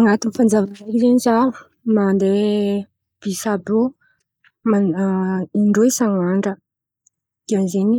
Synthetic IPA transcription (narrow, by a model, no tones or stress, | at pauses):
aŋat̪unfand͡zavarajɾizeniza | mand̪e | b̥isabu | ma | iɳɖ͡ʐuisaŋaɳɖ͡ʐə | d̪̥ianzeni